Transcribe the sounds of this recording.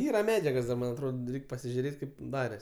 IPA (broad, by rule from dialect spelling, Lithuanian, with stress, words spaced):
ˈiːrɐ ˈmʲæːd͡ʒʲɛɡoːs dɐ ˈmɐnʲ ɐtˈroːt ˈrʲɛɪkʲ pɐsʲɪʒʲʊˈrʲeːtʲ ˈkɐɪp ˈdɑːrʲɛs